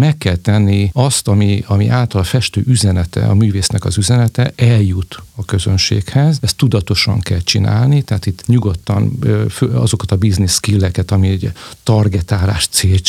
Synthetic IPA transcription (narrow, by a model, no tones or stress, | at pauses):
mɛkːɛlt̪ɛnːiɒst̪ɒmiɒmḭʔaːlt̪ɒlfɛʃt̪ø̰ːʔyzɛnɛt̪ɛ̰ɒ̰myːveːsnɛkɒzyzɛnɛt̪ɛʔɛljut̪ɒkø̞zønʃḛːkhɛzɛst̪ːud̪ɒt̪o̞ʃɒ̰ŋkɛlt͡ʃina̰ːlnit̪ɛɦaːt̪it̪ːɲuɡo̞t̪ːɒ̰nføɒ̰zo̞kɒt̪ɒbizniskilːɛkɛt̪ɒmiɛɟt̪ɒrɡɛt̪aːɾa̰ːʃt̪seːl